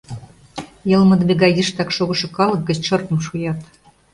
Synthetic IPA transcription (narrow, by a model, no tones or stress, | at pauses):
jɤlmə̆d̪mʲeɣɑjiʃt̪ɑkʃoɣɤ̆ʃɤ̆kɑlɤ̆k̚ɡə̆t͡ɕʃɤrkə̆mʃujɑt̪